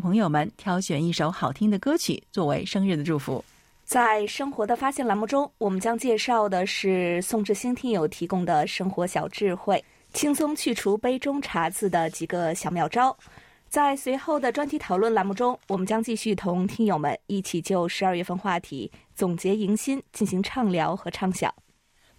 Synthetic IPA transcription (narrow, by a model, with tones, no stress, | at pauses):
pʰɤ˧˥ŋjo˨˩ʊmə˨nt̪ʰjɑ˧˥ʊɕɥɛ˨˩ni˥˩ʂo˧˥ʊxɑ˨˩ʊt̪ʰi˥ŋd̪ə˨kɤ˥t͡ɕʰy̰˨˩t͡swɔ˥˩we˧˥ɪʂɤ˥ŋɻ̩˥˩d̪ə˩ʈ͡ʂu˥˩fṵ˧˥ | t͡sa˥˩ɪʂɤ˥ŋxwɔ˧˥d̪ə˧fa˥ɕjɛ˥˩nla˧˥nmu˥˩ʈ͡ʂʊ˥ŋwɔ˨˩mə˦nt͡ɕjɑ˥ŋt͡ɕjɛ˥˧ʂɑ˥˩ʊd̪ə˩ʂɻ̩˥˩sʊ˥˧ŋʈ͡ʂɻ̩˥˩ɕi˥ŋt̪ʰi˧˥ŋjo˨˩ʊt̪ʰi˧˥kʊ˥ŋd̪ə˨˩ʂɤ˥ŋxwɔ˧˥ɕjɑ˨˩ʊʈ͡ʂɻ̩˥˧xwe˥˩ɪ | t͡ɕʰi˥ŋsʊ˥ŋt͡ɕʰy˥˩ʈ͡ʂʰu˧˥pe˥ɪʈ͡ʂʊ˥ŋʈ͡ʂʰa˧˥t͡sʰɹ̩˥˩d̪ə˩t͡ɕi˨˩ɡə˧ɕjɑ˨˩ʊmjɑ˨˩ʊʈ͡ʂɑ˥ʊ | t͡sa˥˩ɪswe˧˥ɪxo˥˩ʊd̪ə˩ʈ͡ʂwa˥nt̪ʰi˧˥t̪ʰɑ˨˩ʊlwə˥˩nla˧˥nmu˥˩ʈ͡ʂʊ˥ŋwɔ˨˩mə˦nt͡ɕjɑ˥ŋt͡ɕi˥˧ɕy˥˩t̪ʰʊ˧˥ŋt̪ʰi˥ŋjo˨˩ʊmə̰˧˦ni˥˩t͡ɕʰi˨˩t͡ɕjo˥˩ʊʂɻ̩˧˥˧ɥɛ˥˧fə˥˧nxwa˥˩t̪ʰḭ˧˩˥ | t͡sʊ˨˩ŋt͡ɕjɛ˧˥i˧˥ŋɕi˥nt͡ɕi˥˩nɕi˧˥ŋʈ͡ʂʰɑ˥˩ŋljɑ˧˥ʊxɤ˧˥ʈ͡ʂʰɑ˥˩ŋɕjɑ̰˨˩˦ʊ